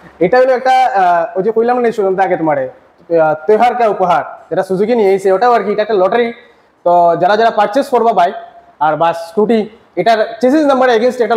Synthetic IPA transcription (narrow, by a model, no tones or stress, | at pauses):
eʈaɡeloɛk̚ʈaod͡ʒikujlamənːejsunənd̪aɡet̪maɽe | t̪eɦaɾkaupəɦaɾd͡ʒeʈasuzukiniejseɔʈebəɾk̬iːʈaɛk̚ʈalɔʈəɾi | t̪ɔd͡ʒaɾad͡ʒaɽapaɾt͡ʃeskɔɾbabaj | aɾbasʈuʈi | eʈaɾt͡ʃesiznɐmbəɾeɡensʈekʈa